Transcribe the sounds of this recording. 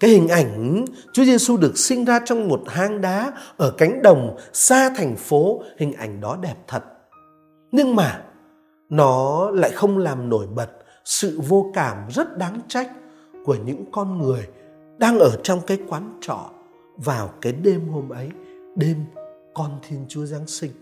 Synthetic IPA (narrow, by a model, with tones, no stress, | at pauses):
kaː˨˦jhï˨˩ŋ̟ʔa˧˩jŋ̟ | t͡ɕu˨˦ze˧su˧ɗɨ˨˩ək̚sï˧ŋ̟zaː˧t͡ɕɔ˧wŋ͡mmo˨˩t̚haː˨˦ŋɗaː˨˦ʔəː˧˩ka˨˦jŋ̟ɗə˨˩wŋ͡msaː˧t̪ʰa˨˩jŋ̟fo˨˦hï˨˩ŋ̟ʔa˧˩jŋ̟ɗɔ˨˦ɗɛ˨˩p̚t̪ʰə˨˩t̚ | ɲɨ˧ŋmaː˨˩ | nɔ˨˦la̰ː˧˨jxə˧wŋ͡mlaː˨˩mno˧˩jɓə˨˩t̚ | sɨ̰˧˨vo˧kaː˧˩mzə˦˥t̚ɗaː˨˦ŋt͡ɕa˦˥jk̟̚ | ku˧˩əɲɨ̰˧˥ŋkɔ˧nŋɨ˨˩əj | ɗaː˧ŋʔəː˧˩t͡ɕɔ˧wŋ͡mkaː˨˦jkwaː˨˦nt͡ɕɔ̰˧˨ | vaː˨˩wkaː˨˦jɗe˧mho˧mʔə˨˦jɗe˧mkɔ˧nt̪ʰi˧ənt͡ɕu˨˦əza˨˦ŋsï˧ŋ̟